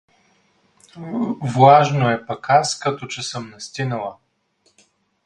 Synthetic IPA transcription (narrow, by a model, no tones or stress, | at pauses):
vlˠaʒnoɛpɐkaskɐt̪ot͡ʃɛsɤmnɛst̪inəlˠə